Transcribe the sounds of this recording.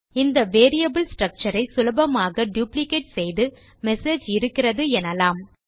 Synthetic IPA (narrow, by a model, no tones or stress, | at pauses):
ɪnd̪ɐʋeːɾɪjɐbɯlsʈrɐk̚t͡ʃɐɾɐɪsʊlɐbɐmaːɣɐɖjuːplɪkeːʈsɛjðɯ | mɛseːd͡ʒɪɾɯkːɪrɐðɯɛnɐlaːm